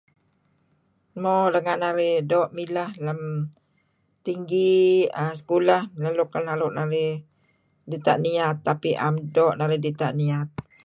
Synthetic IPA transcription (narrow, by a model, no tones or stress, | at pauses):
mɔdəŋanːaɾɪhdɔʔmilahləm | t̪iŋɡiasə̥kulahlaluʔkːanlaɾʊʔnaɾɪh | dit̪aʔniat̪ːapiʔa̰mdɔʔnaɾɪhdit̪aʔniat̪̚